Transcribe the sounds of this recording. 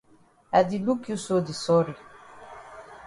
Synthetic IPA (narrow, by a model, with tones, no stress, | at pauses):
a˨di˨lu˦kju˦so˦di˨sɔ˦ɾi˨